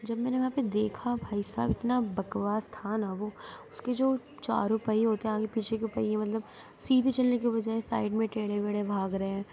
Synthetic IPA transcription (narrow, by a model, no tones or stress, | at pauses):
d͡ʒɐbmɛ̃ːneʋɐɦãped̪eːkʰabʱaːisa̰ːbɪt̪nabɐkʋaːst̪ʰaːnaʋoːʊsked͡ʒoː | t͡ʃa̰ːɾʊpaːiɦoːt̪eɛ̃ãkepiːt͡ʃʰekeʊpa̰iɦɛ̃mɐt̪ləb | siːd̪ʱt͡ʃɐlnek̬ibɐd͡ʒaːesa̰ːɪɖmẽʈeːɽebeːɽebʱaːɡɾɐeɦɛ̃ː